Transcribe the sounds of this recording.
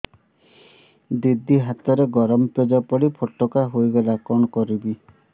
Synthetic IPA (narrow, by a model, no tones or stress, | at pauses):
d̪id̪ʱːiɦat̪ɔɾeɡɔɾɔmɔped͡ʒɔpɔɽipʰoʈːɔkaɦojɡɔlakɔɳ̃ɔkɔɾibi